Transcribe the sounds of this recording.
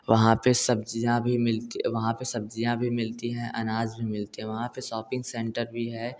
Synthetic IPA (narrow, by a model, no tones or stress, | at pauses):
ʋɐɦãpesɐbd͡ʒijãbʱimɪlt̪iʋɐɦãpesɐb̚d͡ʒijãbʱimɪlt̪iɦɛ̃ʔɐnaːzbʱimɪlt̪iɦɛ̃ʋɐɦãpeʃɔːpɪ̃ŋɡsɛ̃ɳʈəɾbʱiɦɛː